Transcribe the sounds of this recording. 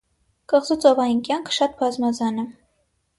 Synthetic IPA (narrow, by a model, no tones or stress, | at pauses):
kəʁzut͡sɔvɑjinkjɑŋkʰə̥ʃɑt̪bɑzmɑzɑnɛ